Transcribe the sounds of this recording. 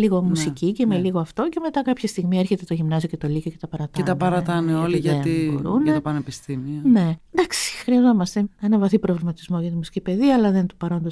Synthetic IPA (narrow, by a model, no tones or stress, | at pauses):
liɣo̞musicicemeliɣo̞ɐft̪o̞ce̞me̞t̪ɐkɐpçest̪iɣmieɾçe̞t̪e̞t̪o̞ʝimnɐzioce̞t̪o̞licoce̞t̪ɐpɐɾɐt̪ɐet̪ɐpɐɾɐt̪ɐneoliʝɐibo̰ɾunet̪ɐpɐnepist̪imione̞nd̪ɐksi̥xɾiɐzo̞mɐst̪e̞enɐvɐθipɾo̞vlimɐt̪izmo̞ʝɐt̪imusi̥cipe̞ðiɐːlɐðent̪o̥pɐɾo̞nd̪o